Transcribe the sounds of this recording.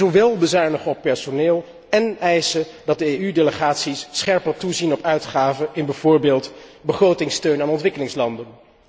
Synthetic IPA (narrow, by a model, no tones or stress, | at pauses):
oʋɛlˠbəzaːɹnəχəɔpːɛɹsoneːlˠ | ɛnɛjsədɑt̚dəejydeləχaːtsisːχɛɹpərtuzinɔpœɥtχaːvəɪnbɛv̥ʊːɹbeːlˠtbəχrowtɪŋstøɥnaːnɔntʋɪkəlɪŋslɑndən